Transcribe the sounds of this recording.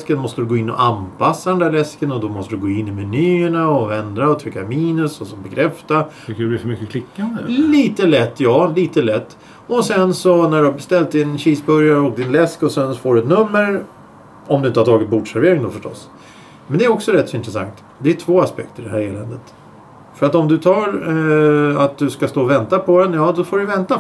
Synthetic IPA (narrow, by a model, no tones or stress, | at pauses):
skənmɔst̪əd̪ɵɡoːɪnːɔ̰ʔanpasːad̪ɛnd̪æːɭɛskənɔd̪ɔmɔst̪ədɵɡoːɪnːɪmɛnyːəɳaɔvɛnd̪ɾaɔt̪ʰvɪkːamiːnɵsɔsɔmbɛkʰɾɛft̪a | kʉbɪfœmʏkːəkʰlɪkːanliːt̪əlɛt̪ːjɑːliːt̪əlɛt̪ː | ɔsɛnsɔnæɖɵhaɾbɛst̪ɛlt̪ɪnɕiːsbɵɾjaɾok̪̚ɪnlɛskɔsɛnsɔfoːɖɵɛt̪nɵmːəɾ | ɔmd̪ɵɪnt̪əhaɾt̪ʰɑːɡɪt̪̚bʊʈʂæɾveːɾɪŋd̪ɔfœʂʈɔ̰s | mɛnd̪ɛːɾɔksɔɾɛt̪ːsɔɪnt̪ɾɛsa̰ŋkt̪ | d̪ɛæʈʰvoːaspɛk̚t̪əɖɛɦæːɾeːlɛnd̪ət̪ | fœɾat̪ɔmd̪ɵt̪ʰɑːɾ | at̪̚d̪ɵskast̪oːvɛnt̪apʰɔd̪ɛnjɑːd̪ɔfoːɖɵvɛnt̪a